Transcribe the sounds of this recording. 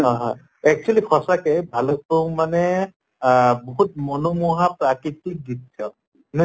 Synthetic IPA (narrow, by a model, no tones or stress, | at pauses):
ɔɦã | ɛk̚t͡ʃualikʰɔsakɛbʱalɔk̚oŋmanɛ | bɔɦut̚mɔnɔmuɦapɹakit̪ik̚dit̪ʰːɔt̚ | na